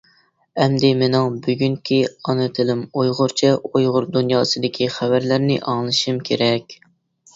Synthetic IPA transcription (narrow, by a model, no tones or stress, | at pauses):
ɛmd̪ɪmɪnɪŋbyɡʲyŋkʲʰiɑnɨt̪ʰɪlɪmojʁʊɾt͡ʃʰɛojʁʊɾd̪unjɑːsɨd̪ɪkʲʰiχævæɾlæɾnɪ̰ʔɑŋlˠɨʃimkʲʰeɾɛkʲ